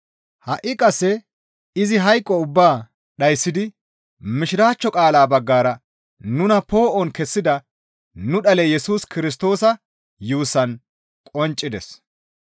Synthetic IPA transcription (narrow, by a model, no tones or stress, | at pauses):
hɐʔɪkʼɐsːɛ | ɪzɪɦɐjkʼːɔʊbːaː | ɗɐjsːɪd̪ɪ | mɪʃɪɾaːt͡ʃːɔkʼaːlaːbɐɡːaːɾɐ | nʊnɐpo̞ːʔɔnkɛsːɪd̪ɐ | nʊɗɐlɛjɛsuːskɪɾɪs̬t̪o̞ːsɐ | juːsɐn | kʼɔnt͡ʃʼːɪd̪ɛs